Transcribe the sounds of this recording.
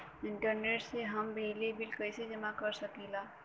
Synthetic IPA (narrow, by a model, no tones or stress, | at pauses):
ɪ̃ɳʈəɾneːʈseɦɐmbeɦlebɪlkəjsed͡ʒɐmãkəɾsɐkilaː